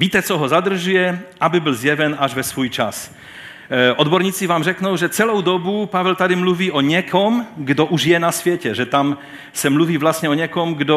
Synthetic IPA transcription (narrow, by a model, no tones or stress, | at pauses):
viːt̪ɛt͡sɔɦɔzad̪r̩ʒujɛabɪbɪlzjɛvɛnaʒvɛsvuːjt͡ʃas | ʔɔd̪bɔɾɲiːt͡sɪvaːmrɛknowʒɛt͡sɛlowd̪ɔbupavɛlt̪ad̪imluviːʔɔɲɛkʰɔmɡdoʔuʒjɛnasvjɛcɛʒɛt̪am | sɛmluviːvlast̪ɲɛoɲɛkɔmɡdo